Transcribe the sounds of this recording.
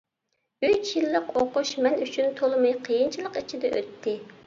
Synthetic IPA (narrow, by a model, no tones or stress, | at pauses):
yt͡ʃjilˠːəqoqʊʃmɛnyt͡ʃʰynt̪ʰolˠmɑjqʰəjint͡ʃʰilˠəqit͡ʃʰid̪ɛʔø̰t̪ʰːɪ